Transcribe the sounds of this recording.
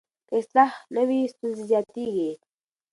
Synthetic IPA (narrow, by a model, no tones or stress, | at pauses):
kaɪslahnəwist̪unzizjɑːt̪iɡi